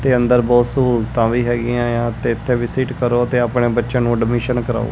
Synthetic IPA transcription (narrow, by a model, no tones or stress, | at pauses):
t̪eːənd̪əɾbɔːt̪sult̪ãːʋiːɦɛːɡɪjãːjãːt̪eːɪt̪ʰːeːʋɪsiːʈkəɾoːət̪eːaːpɳeːbətːʃə̃nũːɖɪmɪːʃənkəɾa̰ːo̰ː